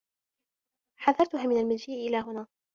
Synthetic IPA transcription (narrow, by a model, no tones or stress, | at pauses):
ħaðɑɾˤt̪ʊɦaːmɪnalmald͡ʒiːʔʔɪlaːɦʊnaː